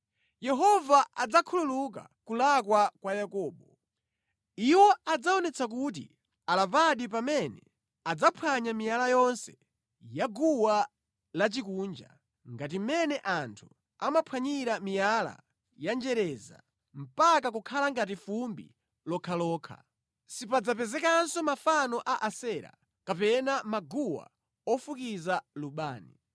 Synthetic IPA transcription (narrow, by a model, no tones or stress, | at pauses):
jɛɦɔvaʔad͡zakʰululuk̬a̰kulakwakwajakɔːɓɔ | iwɔad͡zaɔnɛt͡sʰak̬ut̬ḭ | alavaɗip̬amɛnɛ̰ | ad͡zapʰwaɲamijalajɔnsɛ | jaɡuwa | lat͡ʃikuːnd͡ʒa̰ | ŋɡat̬imɛnɛʔantʰu | amapʰwaɲiɾamijala̰ | jand͡ʒɛɾɛza̰ | m̩pakak̬ukʰalaŋɡat̬ifumbḭ | lɔkʰalɔːkʰa̰ | sipad͡zapɛzɛkansɔmafanɔʔaʔasɛɾa̰ | kapɛnamaɡuwa̰ | ɔfukizaluɓaːnḭ